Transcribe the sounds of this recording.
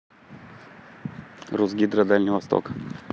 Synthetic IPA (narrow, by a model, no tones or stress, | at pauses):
ruzɡʲid̪ɾəd̪alʲnʲɪjvɐst̪o̰k